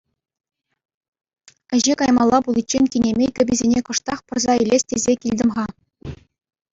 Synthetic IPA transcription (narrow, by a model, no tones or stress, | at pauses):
ɘ̆ʑekɑjmɑlˠːɑpulˠit͡ɕːenʲkʲinʲemʲejkʲɘ̆bʲɘ̆zʲenʲekɤ̆ʂt̪ɑχpɤ̆rzɑilʲesʲtʲezʲekʲilʲd̪ʲɘ̆mʁɑ